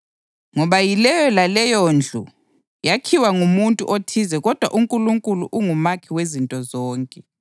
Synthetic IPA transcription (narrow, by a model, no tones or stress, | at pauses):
ŋɔβajilɛjɔlalɛjond͡ɮʱṵ | jakʰiwaŋumuntʼṵʔotʰizɛɣɔd̥ʱwa̰ʔuŋkʼuluŋkʼuluʔuŋumakʰiwezintʼɔzɔːŋkʼɛ